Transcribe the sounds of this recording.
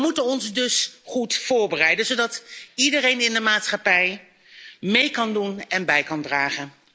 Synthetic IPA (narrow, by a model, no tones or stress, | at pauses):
mutənɔnzdɵsχutfʊːɹbərɛjdənzowdɑtidərejnɪndəmaːtsχɑpɛj | mejkɑndunɛnbɛjkɑndraːχən